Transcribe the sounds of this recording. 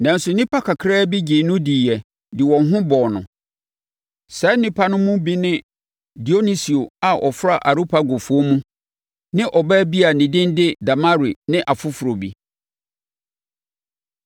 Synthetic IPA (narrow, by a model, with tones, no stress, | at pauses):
nã˨n̩˦sʊ˨nɪ̃˦pʰa˦kʰa˨kʰɾɛː˦bi˦d͡ʑi˨nʊ̃˦diː˨ɛ˨ | dɪ˨wɔ̃˨nɦʊ̃˦bɔ˨nʊ̰̃˨ | sɛ˨˦nɪ̃˦pʰa˦nʊ̃˦mũ˦bi˦nɪ̃˦ | di˨o˦ni˦si˨o˨a˨ʔɔ˨fɾa˦ʔa˨ɾu˦pʰa˦ɡo˨fu˨˦o˦mũ˦ | nɪ̃˦ʔɔ˨bɛ˦bi˦a˨nɪ̃˨dɪ̃˦ndɪ˦da˨ma˦ɾi˨nɪ̃˦ʔa˨fʊ˦fʊ˨ɾo˨bi˨